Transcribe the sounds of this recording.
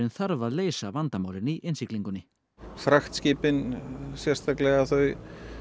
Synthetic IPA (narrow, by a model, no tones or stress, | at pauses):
ɪnθaɾvaðleːjsavant̪amaːwlɪniʔɪnsikliŋkʏnːɪ | fɾaxt̪scɪːpɪnsjɛrst̪aklɛɣaθœɥ